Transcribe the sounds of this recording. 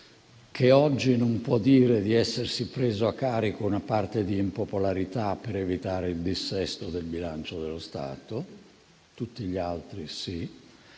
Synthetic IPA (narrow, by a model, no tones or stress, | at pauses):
kʰeɔd͡ʒːinompwɔd̪iːɾed̪iɛsːersipɾeːzoakːaːɾikounapart̪ed̪iːmpopolaɾit̪apːeɾevit̪aːɾeild̪isːɛst̪od̪elbilant͡ʃod̪elːost̪a̰ːt̪o | t̪ut̪ːiʎialt̪ɾisi